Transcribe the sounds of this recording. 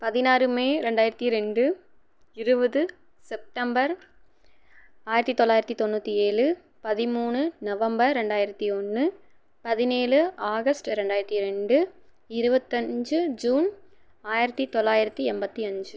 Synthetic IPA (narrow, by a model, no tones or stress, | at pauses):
pɐðɪnaːɾɯmeːɾɛɳɖaːjɪɾɐt̪ːiɾɛɳɖɯ | ɪɾɯbɐðɯ | sɛp̚ʈɐmbɐɾ | aːjɪɾɐt̪ːit̪ːɔlːaːjɪɾɐt̪ːit̪ɔnːuːt̪ːieːɭɯ | pɐðɪmuːɳɯnɐʋɐmbɐɾːɛɳɖaːjɪɾɐt̪ːiɔnːɯ | pɐðɪneːlɯaːɣɐsʈɯɾɛɳɖaːjɪɾɐt̪ːiɾɛɳɖɯ | ɪɾɯbɐt̪ːɐɲd͡ʒɯd͡ʒuːn | aːjɪɾɐt̪ːit̪ɔɭːaːjɪɾɐt̪ːiɛmbɐt̪ːiɐɲd͡ʒɯ